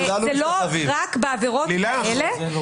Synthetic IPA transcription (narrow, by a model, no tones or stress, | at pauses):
azeloviʁakbeaveʁotilaaele